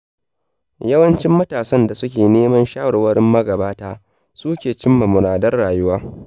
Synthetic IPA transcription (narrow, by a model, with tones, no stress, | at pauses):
jɐ˦wɐ˦nt͡ʃɪ˦mːɐ˦taː˨sɐ˦nda˨sʊ˦kʲeː˨neː˦mɐ˦nʃaː˦wɽwɐ˦ɽɪ˦mːɐ˦ɡɐ˨baː˦taː˦ | suː˦kʲeː˨t͡ʃɪ˦mːɐ˨mʊ˨ɽaː˨dɐ˦rːaː˨jʊ˦waː˦